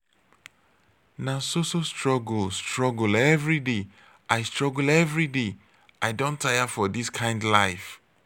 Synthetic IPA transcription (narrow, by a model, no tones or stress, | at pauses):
nasosostɹɔɡl̩stɹɔɡlɛvɹide | ʔaɪstɹ̥ɔɡl̩ɛvɹide | aɪdõntʰajəfɔdiskʰãɪ̃ndlaɪf